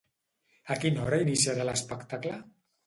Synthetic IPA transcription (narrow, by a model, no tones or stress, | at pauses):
akinɔɾainisiaɾaləspəkt̪aklə